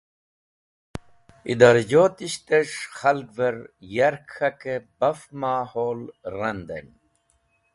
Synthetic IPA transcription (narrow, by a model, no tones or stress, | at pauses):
ḭd̪ɐɾd͡ʑoːt̪iɕt̪eʂxɐlɡvɐɾjɐɾkʰɐkebɐfmaːhoːlɾɐnd̪ɐ̰n